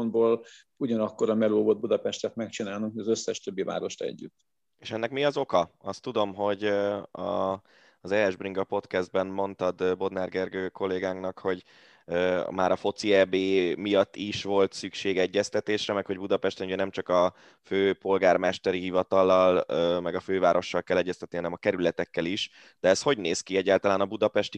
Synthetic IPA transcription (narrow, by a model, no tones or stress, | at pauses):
ond̪boːl | uɟɒnɒkːo̞ɾɒmɛloːvod̪bud̪ɒpɛʃt̪ɛt̪mɛk̚t͡ʃinaːlnuŋkhojɒzøsːɛʃt̪ø̞bːiva̰ːɾo̞ʃt̪ɛ̰ɟːy̰t̪ː | eʃɛnːɛkmiɒzo̞kɒɒst̪ːud̪o̞mɦo̞ɟɒ̰ | zɛɛʒbriŋɡɒpo̞t̪kɛzd̪̚bɛnmo̞nt̪ɒd̪bo̞d̪narɡɛrɡøːko̞lːeːɡaːŋknɒkho̞ɟ | maːɾɒfo̞t̪siɛbeːmijɒt̪ːiʃʋo̞lt̪sykʃeːɡɛɟːɛst̪ɛt̪eːʃrɛmɛkho̞ɟbud̪ɒpɛʃt̪ɛnuɟɛnɛmt͡ʃɒkɒ | føːpo̞lɡaːrmɛʃt̪ɛɾiɦivɒt̪ɒlːɒlːmɛɡɒføːvaːɾo̞ʃːɒlkɛlːɛɟːɛst̪ɛt̪iɦɒnɛmɒkɛɾylɛt̪ɛkːɛliʃ | d̪̥ɛːst̪ho̞ɟneːskiɛɟːaːlt̪ɒlaːnɒbud̪ɒpɛʃt̪i